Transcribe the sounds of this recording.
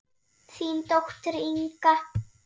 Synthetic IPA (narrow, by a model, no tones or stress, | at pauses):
t͡sint̪oxʷt̪ɾiŋka